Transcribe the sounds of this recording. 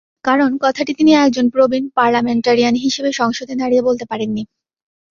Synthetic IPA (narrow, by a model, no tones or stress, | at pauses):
kaɾonkɔt̪ʰaʈit̪iniɛk̚d͡ʑonpɾobinpaɾlameɳʈaɾijanɦiʃebeʃɔŋʃod̪ʱed̪aɾiebolt̪epaɾenːi